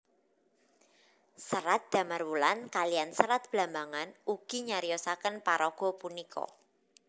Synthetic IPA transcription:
səɾat̪̚d̪̥a̤marwulankalijansəɾat̪̚b̥la̤mbaŋanuɡ̥i̤ɲaɾijɔsakənpaɾɔɡ̥ɔ̤punikʰɔ̰

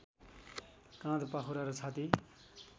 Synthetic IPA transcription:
kãd̪paɦuɾaɾot͡sʰat̪i

